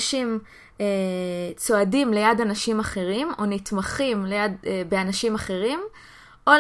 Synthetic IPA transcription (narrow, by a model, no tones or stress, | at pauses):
ʃim | et͡so̞adimle̞jadanaʃimaχe̞ʁimo̞nitmaχimlejadbeanaʃimaχe̞ʁim | ʔo